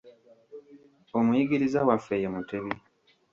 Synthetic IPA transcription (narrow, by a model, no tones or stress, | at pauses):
omujiɡiɾizawafejemuteβi